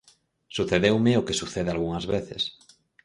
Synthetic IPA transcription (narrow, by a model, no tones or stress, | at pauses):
suθeðewmeokesuθeðealɣuŋazβeθḛs